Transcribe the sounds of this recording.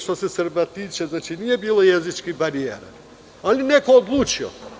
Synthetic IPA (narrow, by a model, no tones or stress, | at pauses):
ʃt̪osɛsəɾbat̪it͡ʃɛznat͡ʃinijɛbilˠojezit͡ʃkibaɾiḛɾa̰ | alinɛkoːd̪lˠut͡ʃio̰